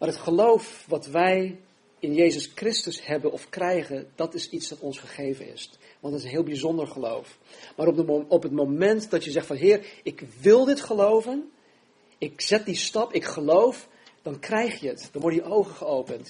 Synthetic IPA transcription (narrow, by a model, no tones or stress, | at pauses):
maːɾɦətχəlowfʋɑtʋɛj | ɪnjejzəskrɪstəshɛbənɔfkrɛjχənd̥ɑtɪsitsʋɑtɔnsχəχejvənɪ̰s | ʋɑntdɑtɪsənɦɪːlˠbizɔndəɹχəlo̰wf | maːɾɔɔpətmomɛntdɑtjəzɛχtfɑnɦɪːrɪkʋɪlˠdɪtχəlowvən | ɪkz̥ɛt̚distɑpɪkχəlowf | d̥ɑnkrɛjχjəətd̥ɑnʋɔɹdəjəʔowχəχəowpənt